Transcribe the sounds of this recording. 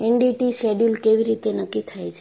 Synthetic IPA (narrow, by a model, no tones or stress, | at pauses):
eɳɖiʈiʃeɖjulkeʋiɾit̪enəkːit̪ʰajt͡ʃʰe